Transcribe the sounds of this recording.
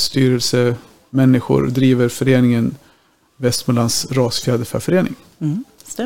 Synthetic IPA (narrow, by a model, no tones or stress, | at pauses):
st̪yːɾəlsə | mɛnːɪɧʊ̰ɾd̪ɾiːvəɾfœɾeːnɪŋən | vɛst̪mɛlansɾɑːsfjæːd̪əfœ̰ɾfœɾeːnɪ̰ŋ